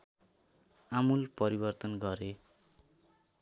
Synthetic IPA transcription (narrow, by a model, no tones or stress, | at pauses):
amulpʌɾibʌrt̪ʌnɡʌɾe